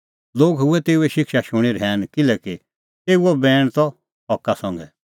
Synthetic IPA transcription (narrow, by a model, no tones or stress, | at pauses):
loːɡɦʊɛt̪eːuɛʃɪkʃaʃʊɽ̃iɾɛːnkɪlɛki | t̪eːuɔbɛːɽ̃t̪ɔ | ɦɔkːasɔ̃ŋɡɛ